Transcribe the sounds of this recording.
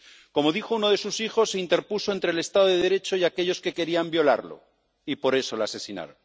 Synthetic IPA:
ko̞mo̞ðixo̞uno̞ðe̞susixo̞sːeint̪e̞ɾpuso̞ent̪ɾeːle̞st̪aðoðeðeɾe̞t͡ʃo̞jake̞ʎo̞ske̞ke̞ɾiambjo̞la̰ɾlo̞̰ | ipo̞ɾe̞so̞lase̞sina̰ɾon

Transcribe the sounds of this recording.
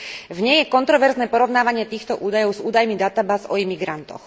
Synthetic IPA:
vɲɛjɛkɔnt̪ɾɔʋɛɾznɛːpɔɾɔʊnaːʋaɲɪɛt̪iːxt̪ɔʔuːd̪ajɔʊzuːd̪ajmid̪at̪abaːzɔimiɡɾant̪ɔ̰x

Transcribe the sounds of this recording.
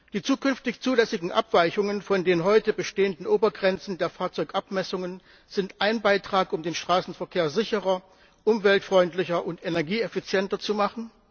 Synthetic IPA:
d̥iːt͡suːkʏnftɪçt͡suːlɛsɪɡŋ̩ʔa̰pv̥aɪçʊŋənfɔndeːnɦɔʏtəbəʃteːəndn̩ʔoːbɐɡʁɛnt͡sn̩deːɐfaːɐt͡sɔʏkʔapmɛsʊŋən | z̥ɪntʔaɪnbaɪtʁ̥aːkʊmdeːnʃtʁ̥aːsn̩fɛɐkʰeːɐzɪçəʁɐ | ʔʊmvɛltfʁ̥ɔʏntlɪçɐʔʊntenɛɐɡiːɛfit͡sjɛntɐt͡sumaχn̩

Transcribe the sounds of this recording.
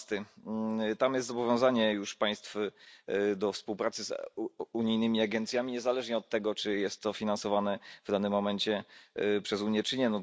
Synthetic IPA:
t̪ɘ | t̪amjɛst̪zɔbɔvʲjɔ̃w̃zaɲɛjuʂpaj̃st̪f | d̪ɔfspuwpɾat̪sɘzuɲijnɘmʲiaɡɛnt̪sʲjamʲiɲɛzalɛʐɲɛɔt̪ːɛɡɔt͡ʂɘjɛst̪ːɔfʲinansɔvanɛvd̪anɘmːɔmɛnt͡ɕɛpʂɛzuɲjɛt͡ʂɘɲɛnɔ

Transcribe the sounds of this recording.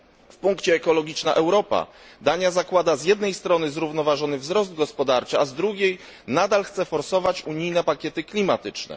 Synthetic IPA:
fpuŋkt͡ɕɛːkɔlɔɡʲit͡ʂna̰ʔɛwɾɔpa̰d̪aɲazakwad̪azʲjɛd̪nɛjst̪ɾɔnɘzɾuvnɔvaʐɔnɘvzɾɔzd̪̚ɡɔspɔd̪aɾt͡ʂɘazd̪ɾuɡʲej | nad̪alxt̪sɛfɔɾsɔvat͡ɕuɲijnɛpakʲjɛt̪ɘklʲimat̪ɘt͡ʂnɛ̰

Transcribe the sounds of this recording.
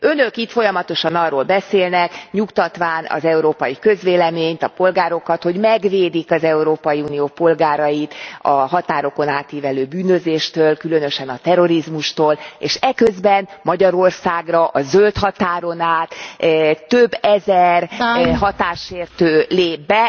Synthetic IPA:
ø̞nøkit̪fo̞jɒmɒt̪o̞ʃɒnɒrːoːlbɛseːlnɛkɲukt̪ɒt̪ʋaːnɒ̰zɛuɾoːpɒjikøzʋeːlɛmeːɲt̪ɒpo̞lɡaːɾo̞kɒt̪ho̞ɟmɛɡveːd̪ikɒzɛuɾoːpɒjiuːnijoːpo̞lɡaːɾɒjit̪ɒɦɒt̪aːɾo̞ko̞naːt̪ːiːvɛløːbyːnøzeːʃt̪øːlkylø̞nø̞ʃɛnɒt̪ɛɾo̞ɾizmuʃt̪oːleːʃɛkøzbɛnmɒɟɒɾo̞rsaːɡrɒʔɒzølt̪hɒt̪aːɾo̞naːt̪t̪ːøbːɛzɛrɦɒt̪aːʃeːrt̪øːleːbːɛ

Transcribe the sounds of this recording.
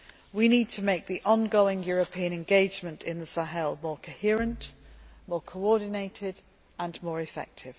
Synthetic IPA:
winiːd̚tʰəmeɪk̚ðiʔɒ̃nɡoʊɪ̃ŋjɔːɹəpʰiə̃ñɛ̃nɡeɪd͡ʒmə̃ntʰɪ̃nðəsaɦɛlˠmɔːkʰəhɪəɹə̃ntmɔːkʰəʊɔːdⁿn̩eɪtʰɪd | ə̃nmɔːɹɪfɛ̰k̚tʰɪv̥

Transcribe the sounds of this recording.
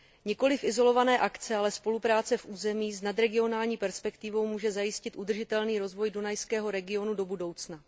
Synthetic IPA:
ɲɛko̞lɪfʔɪzo̞lo̞vanɛːʔakt͡sɛalɛspo̞lupɾaːt͡sɛfʔuːzɛmiːsnad̪ɾɛɡɪo̞naːlɲiːpɛɾspɛkt̪ɪvo̞wmuːʒɛzajɪscɪt̪ʔud̪r̩ʒɪt̪ɛlniːɾo̞zvo̞jdunajskɛːɦo̞ɾɛɡɪo̞nudo̞budo̞wt͡sna

